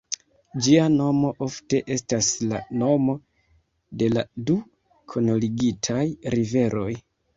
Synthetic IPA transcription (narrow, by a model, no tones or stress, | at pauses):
d͡ʒiano̞mo̞ʔo̞fte̞ʔe̞stasla̰no̞mo̞ | de̞ladu | kʰo̞noliɡitʰajɾive̞ɾo̞j